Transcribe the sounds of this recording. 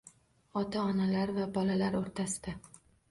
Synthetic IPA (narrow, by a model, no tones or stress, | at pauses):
ɒt̪ʰaɒnalaɾvabɒlalaɾoɾt̪ʰasɪ̥d̪̥a